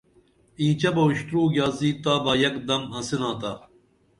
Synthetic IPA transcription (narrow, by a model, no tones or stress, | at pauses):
ĩːt͡ɕɐbɐuɕt̪ɾuːɡʲjaːziːt̪aːbɐːjɐkd̪ɐmɐ̃sinãːt̪aː